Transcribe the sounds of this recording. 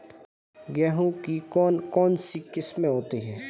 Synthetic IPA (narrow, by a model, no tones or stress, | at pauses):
ɡɛːɦũkikɔːnkɔːnsikɪsmẽɦoːt̪iɦɛː